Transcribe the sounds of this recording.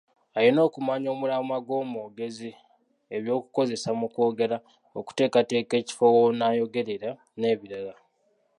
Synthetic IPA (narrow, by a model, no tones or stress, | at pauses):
ajino̞ːkumaɲo̞ːmulamwaɡwo̞ːmuɡe̞zi | e̞βjo̞ːkuko̞ze̞samuko̞ːɡe̞ɾa | o̰ku̥te̞ːkate̞ːke̞ːci̥fowonaːjo̞ɡe̞ɾeɾa | ne̞ːβiɾala